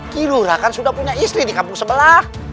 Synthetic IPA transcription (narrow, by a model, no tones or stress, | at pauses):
kiluɾakansudahpuɲaist̪ɾidikampʊŋsəbəlah